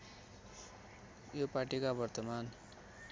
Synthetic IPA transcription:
jopaʈikabʌrt̪ʌman

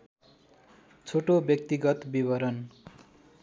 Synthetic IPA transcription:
t͡sʰoʈobjʌk̚t̪iɡʌt̪bibʌɾʌn

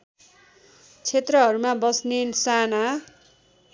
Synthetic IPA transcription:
t͡sʰet̪rʌɦʌɾumabʌsnensana

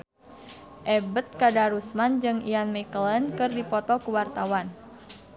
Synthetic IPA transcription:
ʔɛbət̪̚kadaɾusmand͡ʒɨŋianmikələnkɨrdipɔt̪ɔkuwart̪awan

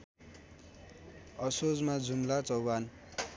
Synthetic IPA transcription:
ʌsod͡zmad͡zumlat͡sʌwban

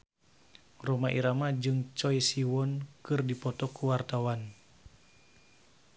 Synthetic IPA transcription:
rɔmaʔiɾamad͡ʒɨŋt͡ʃɔjsiwɔnkɨrdipɔt̪ɔkuwart̪awan

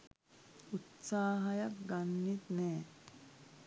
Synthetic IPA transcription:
ut̪saːɦɐjakɡanːit̪nɛː

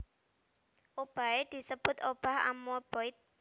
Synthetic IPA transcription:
ʔob̥a̤ed̪̥i̤səb̥ʊ̤t̪ob̥a̤ha̰mob̥ɔɪt̪̚

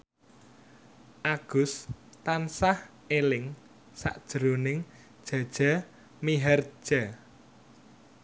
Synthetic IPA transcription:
ʔaɡ̥ʊ̤st̪ansah | elɪŋ | sa̰ʔd̥ʒ̥ɾonɪŋ | d̥ʒ̥a̤d̥ʒ̥a̤ | miɦɛr̥ʒ̥a

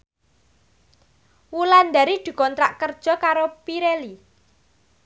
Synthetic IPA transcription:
wuland̪aɾid̪̥i̤kɔnt̪ɾaʔkərd̥ʒ̥ɔ̤kaɾopiɾeli

